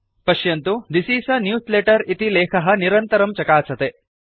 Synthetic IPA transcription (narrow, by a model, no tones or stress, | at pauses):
pɐʃjɐnt̪ud̪isiːsɐnjuːsleʈɐɾit̪ilɛːkʰɐɦɐniɾɐnt̪ɐɾɐmt͡ʃɐkaːsɐt̪e